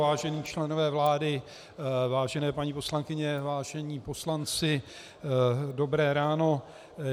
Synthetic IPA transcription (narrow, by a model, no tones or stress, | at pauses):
vaːʒɛniːt͡ʃlɛnovɛːvlaːdɪ | vaːʒɛnɛːpaɲiːpo̞slaŋkɪɲɛvaːʒɛɲiːpo̞slant͡sɪ | do̞bɾɛːɾaːno̞